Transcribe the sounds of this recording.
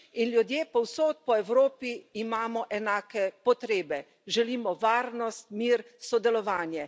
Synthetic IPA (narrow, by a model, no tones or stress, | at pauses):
inljud̪jeːpɔwsoːt̪̚pɔɛwɾoːpiːmaːmɔʔɛnaːkɛpɔt̪ɾeːbɛ | ʒɛliːmɔʋaːɾnɔst̪̚miːɾsɔd̪ɛlɔʋaːnjɛ